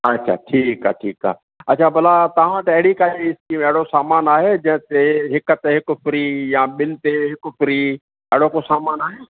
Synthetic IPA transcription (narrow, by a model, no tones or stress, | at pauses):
ɐtːʃʰa̰ːʈʰiːka̰ːʈʰiːka̰ː | ɐtːʃʰabɐlat̪ɐɦãt̪ɐɛɦɽikaːiɪskimɛɽosaːmaːnaːɦed͡ʒɐ̃ɦt̪eɦɪkt̪eɦɪkfɾiːjãɓɪlt̪eɦɪkfɾiː | ɛːɽokosaːmaːnaːɦeː